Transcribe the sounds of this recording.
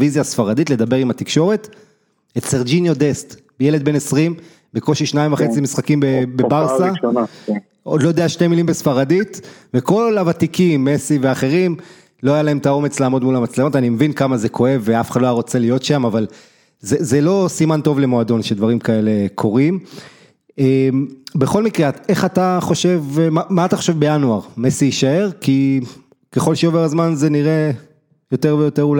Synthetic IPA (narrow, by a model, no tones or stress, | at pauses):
vizjasfaʁad̪it̪le̞d̪abe̞ʁimat̪ikʃo̞ʁe̞t̪ | etseʁd͡ʒinjod̪est̪ | bejeled̪̚be̞nesʁim | beko̞ʃiʃnaimvaχet͡simisχakimbebebaʁsana | odlojod̪eaʃtemilimbesfaʁadit̪veko̞lavat̪ikimːesiveaχe̞ʁim | lo̞ajalae̞mt̪ao̞me̞t͡slaːmo̞dmulamat͡slemo̞tanimevinkamazekʰo̞e̞vːeafe̥χadloajaʁo̞t͡se̞lijo̞tʃamaval | zezelo̞simant̪o̞vle̞moado̞nʃed̪vaʁimkae̞le̞kʰo̞ʁim | embeχo̞lmikʁe̞aeχat̪aχo̞ʃe̞vmamaːt̪aχo̞ʃe̞vbe̞januaʁme̞siiʃae̞ʁki | ke̞χo̞lʃeove̞ʁazmanze̞niʁe̞ | jo̞te̞ʁvejo̞t̪e̞ʁula